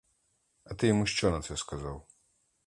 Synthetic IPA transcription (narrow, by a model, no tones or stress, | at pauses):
ɐt̪ɨjimuʃt͡ʃɔnɐt̪sjaskazaw